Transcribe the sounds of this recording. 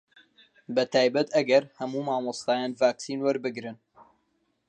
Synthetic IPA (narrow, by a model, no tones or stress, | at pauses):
bɐt̪ʰaːjbɐt̪ɐɡɐɾhɐmuːmaːmost̪aːjaːnvaːksiːnwɐɾbɨɡɾɨn